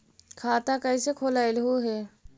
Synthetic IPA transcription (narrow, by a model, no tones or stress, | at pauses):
kʰaːt̪akəɪsekʰoːlaːɪlɦuɦɛː